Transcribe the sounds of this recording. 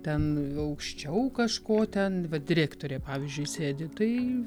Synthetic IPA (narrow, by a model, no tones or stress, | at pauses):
t̪ʲɛnɐʊkʃʲt͡ʃʲɛʊkɐʃkoːt̪ʲɛnʋɐd̪ʲɪɾʲæːkt̪oːɾʲeːpɑːʋʲiːzʲd͡ʒʲʊɪsʲeːd̪ʲɪt̪ɐɪ